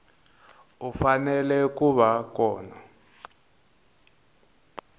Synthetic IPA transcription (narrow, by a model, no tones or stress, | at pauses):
ufanɛlɛkuβakɔːna